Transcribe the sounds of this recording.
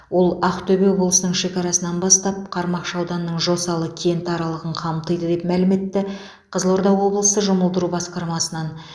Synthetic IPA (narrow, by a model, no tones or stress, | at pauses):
wo̞lˠɑqt̪ʰɵbe̞wo̞blˠəsənəɴʃe̞kʲɑɾɑsənɑnbɑst̪ɑp̚qʰɑɾmɑqʃɑwd̪ɑnːəɴʒo̞sɑlˠəkʲʰent̪ɑɾɑlˠəʁəɴqʰɑmt̪əjd̪əd̪e̞pmælɪme̞t̪ːɪ | qʰəzlˠo̞ɾd̪ɑwːo̞blˠəsəʒʊməlˠd̪əɾubɑsqɑɾmɑsənɑn